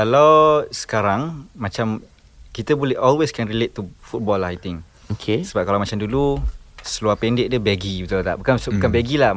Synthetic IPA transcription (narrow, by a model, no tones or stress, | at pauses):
kalawsə̥kaɾaŋmat͡ʃam | kit̪əbolɛhɔlweskɛ̃nɾilet̪̚ːufut̚bɔlajt̪ɪ̃ŋ | okʰesəbap̚kalawmat͡ʃamdulusəluapɛndɪʔ̚dɛbɛɡibit̪ulat̪a̰ʔbukasbukanbɛɡila